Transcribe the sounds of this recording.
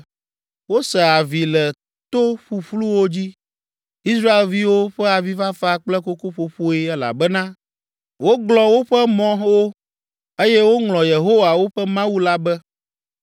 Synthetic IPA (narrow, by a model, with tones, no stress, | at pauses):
wo˦sɛ˨a˨vi˨lɛ˨ | t̪o˦ɸu˨ɸlu˦wo˦d͡ʑi˦ | i˦sɾa˦e˨lvi˦wo˦ɸɛ˦a˨vi˦va˦fa˦k͡plɛ˦ko˦ko˦ɸo˦ɸo˦i˦ɛ˦la̰˨bɛ˦nã˦ | wo˦ɡlɔ˨wo˦ɸɛ˦mɔ̃˦wo˦ | e˦jɛ˦wo˦ŋlɔ̃˨je˨ɦo˦wa˨wo˦ɸɛ˦mã˦wu˦la˦bɛ˦